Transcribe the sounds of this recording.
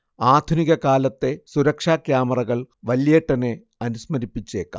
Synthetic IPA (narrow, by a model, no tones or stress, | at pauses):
aːd̪ʱuniɣɐkaːlɐt̪ːe̞suɾɐkʂaːkjaːmɐrɐɣɐɭʋɐljeːʈːɐne̞ | ɐnusmɐɾipːit͡ɕːe̞̰ːkːa̰ː